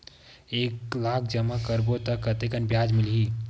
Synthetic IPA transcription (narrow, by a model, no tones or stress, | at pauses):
eːklaːkʰd͡ʒəmakəɾbot̪əkət̪ekənbjaːd͡ʒmɪlɦiː